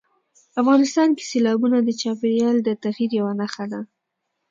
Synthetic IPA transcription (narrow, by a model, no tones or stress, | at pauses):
afɣɑnɪst̪ɑnke̥selɑbunad̪ət͡ʃɑpeɾjɑld̪ət̪aɣiɾjawanaxad̪a